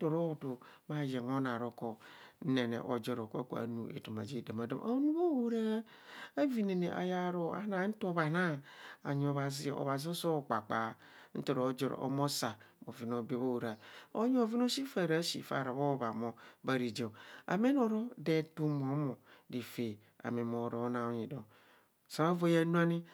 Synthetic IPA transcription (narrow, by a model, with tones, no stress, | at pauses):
to˨ɾo˦˨do˨ma˦je˨ŋo˦na˨ɾo˨ko˨n̩˦ne˨nḛ˨ʔo˨d͡ʒo˨ɾo˨kko̰˨a̰˨nu˨ḛ˨to˨ma̰˨d͡ʒe˦˨da˨ma˨da˦mʔa˨˦nu˦bo˦wo˦ɾa˦ | a˦vi˨ne˨ne˨ʔa̰˨ja˦ɾo˦a̰˦na˨˦n̩˦to˦ba˨na˦a˨ɲ˨o˨βa˨zi˦˨o̰˨βa˨zi˦so˦˨k͡pa˨k͡pa˨˦ | n̩˦to˨ɾo˨˦d͡ʒɔ˨ɾ̰o̰˦mo˦sa˨bo˨vi˦no˨˦be˦bo˦wu˨ɾa˨o˦ɲ˦o˨vi˦no˦si˦fa˨ɾa˦sḭ˨fa̰˨ɾa˨bo˦ba˨mo˨ba˦ɾi˨d͡ʒe˨a̰˨me˦no˨ɾo˦de˨˦tu˦m˨o˨˦mõ˨di˨fe˨ | a̰˨me˨mo˨ɾo˦o˦nã˨o˦ɲĩ˨do˨m | sã˨˦vo˦ja˦nũ˦a˦nĩ˦